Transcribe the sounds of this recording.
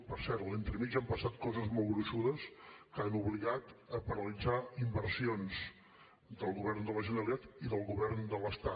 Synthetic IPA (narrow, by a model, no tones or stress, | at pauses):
pəɾsɛɾt̪lent̪ɾəmizampəsat̪kɔzəzmɔlˠɣɾuʃuðəskanuβliɣat̪əpəɾəlid͡zaimbəɾsionz | d̪əlˠɣuβɛrnd̪ələʒənəɾəlit̪at̪iðəlˠɣuβɛrnd̪ələst̪a